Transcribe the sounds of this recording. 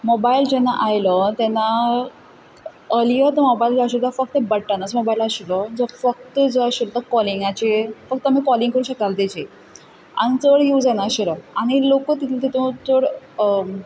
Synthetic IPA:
mobaild͡ʑɛnːaʔajlɔt̪ɛnːa | əljət̪əmobaild͡zaɕud̪ʱafək̚t̪ebəɽʈanasmobailaɕilɔd͡zɔfək̚t̪əd͡zoaɕilt̪əkɔliŋɡat͡ɕefək̚t̪amiːkɔliŋɡkəɾũɕəkalt̪et͡ɕe | a̰ɽ̃it͡səɽjewd͡zanaɕilɔaɽ̃ilokət̪it̪ʰilt̪it̪õt͡səɽ

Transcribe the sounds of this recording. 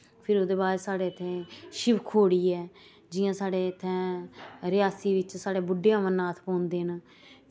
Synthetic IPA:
pʰɪɾoːd̪eːbaːɾesaːɽeːt̪ʰːẽːʃɪʋkʰoːɽiːɛː | d͡ʒɪjãːsaːɽeːt̪ʰɛ̃ːɾɪaːsiːʋɪt͡ʃsaːɽeːbʊɖejãːmənaːt̪ʰpɔ̃ːnd̪eːɦn

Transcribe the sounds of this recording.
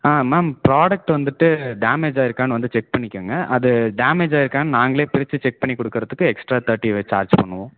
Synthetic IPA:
aːmaːmpɾaːɽɐk̚ʈʋɐnd̪ɯʈːɯɖaːmeːd͡ʒaːɪɾɯkːaːnɯʋɐnd̪ɯt͡ʃɛk̚pɐɳːɪkʲːaːŋɡɐʔɐðɯɖaːmeːd͡ʒaːɪɾɯkːaːnɯnaːŋɡɐɭeːpɪɾɪt͡ʃːɯt͡ʃɛk̚pɐɳːikːɔɽɯkːɯɾɐðɯkːɯɛksʈɾaːt̪ʰɐɾʈːiʋeːt͡ʃaːɾd͡ʒpɐɳːɯʋʊ̃

